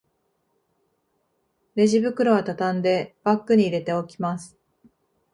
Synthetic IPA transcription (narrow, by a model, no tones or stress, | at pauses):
ɾe̞ʑibɯ̟kɯ̟ɾo̞βat̪at̪ãnd̪e̞b̥akːɯɲ̟iːɾe̞t̪e̞o̞kʲimasɨ̥